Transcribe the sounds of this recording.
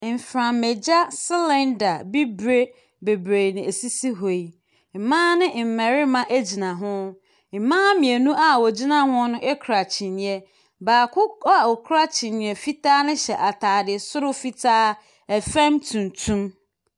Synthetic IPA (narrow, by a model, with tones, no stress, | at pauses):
m̩˨fɾã˨mme˨d͡ʑa˦sɪ˦lɛ̃˦nda˨bi˦bɾe˦ | be˨bɾe˨nɪ̃˨e˨si˦si˦ɦo˨i˨ | m̩˨mã˦nɪ̃˦m̩˨mɛ˨ɾɪ˦mã˦ʔæ˦d͡ʑi˨nã˨ɦʊ̃˦ | m̩˨mãː˦mĩ˨æ˨nũ˦ʔa˨wɔ˨d͡ʑi˦nã˦hʊ̃˦nʊ̃˦ɛ˦kʰɾa˨t͡ɕʰi˨nɪ̃˨ɛ˦ | baː˨kʰʊ˦a˨wɔ˨kʰɾa˦t͡ɕʰɪ̃˨nɪ̃˨ɛ˨fi˦tʰaː˦nɪ̃˦ɕɛ˨ʔa˨tʰaː˨dɪ˨sʊ˦ɾʊ˦fi˦tʰaː˦ | æ˨fæ̃˦mtʰũ˨n˨tʰũ˦m